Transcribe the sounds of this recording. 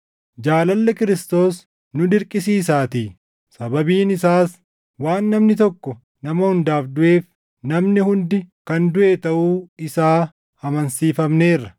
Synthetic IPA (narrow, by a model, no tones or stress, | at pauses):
d͡ʒaːlɐlːɛkɪɾɪst̪o̞ːs | nʊd̪ɪɾkʼɪs̬iːs̬aːt̪iː | sɐbɐbiːnɪsaːs | waːnːɐmnɪt̪̬ɔkːɔ | nɐmɐhʊnd̪aːfd̪ʊʔe̞ːf | nɐmnɪhʊnd̪ɪkɐnd̪ʊʔeːt̪ɐʔuːɪsaː | hɐmɐnsiːfɐmne̞ːrːɐ